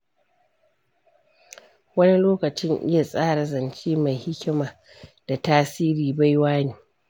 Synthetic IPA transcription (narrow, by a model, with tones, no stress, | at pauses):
wɐ˦ni˦loː˦kɐ˨t͡ʃɪ˦ŋʔɪ̰˦ja˨sʼaː˦ɽa˨zɐ˨nt͡ʃiː˦ma˨jhɪ˦kʲɪ˦maː˨ | d̥a˨taː˦siː˦ɾiː˨ba˦jwaː˦neː˨